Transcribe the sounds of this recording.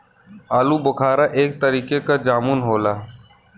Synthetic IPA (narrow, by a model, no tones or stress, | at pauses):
aːlubəkʰaːɾaʔeːk̚t̪əɾiːkekad͡ʒaːmunɦoːlaː